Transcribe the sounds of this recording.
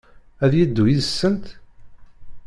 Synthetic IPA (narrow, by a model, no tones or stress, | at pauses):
æðjəd̪ːujiðəsːənt̪